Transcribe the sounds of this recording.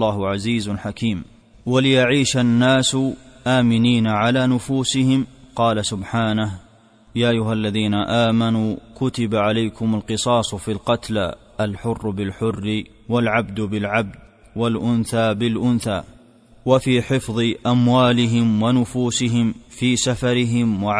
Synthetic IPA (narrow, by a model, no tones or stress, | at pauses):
lˤːɑːhʕaziːzħakiːm | walɪjaʕiːʃanːaːsʊʔaːmɪniːnaʕalaːnʊfuːsɪhɪmqɑːlasʊbħaːnah | jaːʔajːʊhalːaðiːnaʔaːmanuːkʊt̪ɪbaʕalajkʊmalqɨsˤɑːsˤfiːlqɑt̪l | ʔalħʊrːbɪlħʊrːɪ | walʕabd̪bɪlʕab̚d̪̚ | walʔʊnθaːbɪlʔʊnθaː | wafiːħɪfðˤɨʔamwaːlɪɦɪmwanʊfuːsɪɦɪmfiːsafɑɾɪɦɪmwaʕ